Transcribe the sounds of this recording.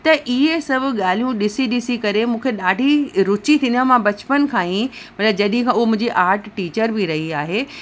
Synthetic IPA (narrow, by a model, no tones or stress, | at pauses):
t̪ɐʔiɦesɐbʱʊɠaːl̤ijũɗɪsiɗɪsikɐɾemũːkʰeɗaːɖʱiɾʊt͡ɕit̪ʰĩnd̪ãmãbɐt͡ɕpənkʰãːĩ | mɐt̪ləbd͡ʑɐɗɪɦɪ̃kʰãːʊɦomʊ̃ɪ̃ɲd͡ʑiʔaːɾʈʈiːt͡ɕəɾbɪɾɐɦiaːɦeː